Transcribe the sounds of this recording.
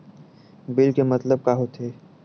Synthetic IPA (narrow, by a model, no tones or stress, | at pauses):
bɪlkemɐt̪ləb̚kaɦot̪ʰeː